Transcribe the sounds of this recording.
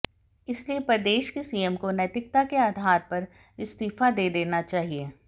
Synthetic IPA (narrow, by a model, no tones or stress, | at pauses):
ɪsliepɾɐd̪eːʃkesiːəmkonət̪ɪk̚t̪akeaːd̪ʱaːɾpɐɾ | ɪst̪iːfad̪eːd̪eːnat͡ʃaːɦieː